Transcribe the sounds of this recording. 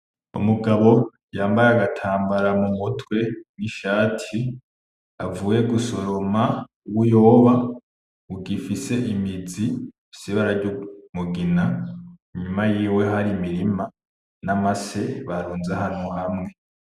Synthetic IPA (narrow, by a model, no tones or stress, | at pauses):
ṵmuɡaβo̞ | jaːmbaɾaɡatʰaːmbaɾamumutʰwe̞niʃaːtʰi | a̰vuːje̞ɡuso̞ɾo̞ma | uwujo̞βa | uɡifise̞ʔimizi̥ | siβaɾaɾɟumuɡinaɲumajiːwe̞ɦaɾimiɾima | namase̞βaɾuːnzahanuɦamŋe̞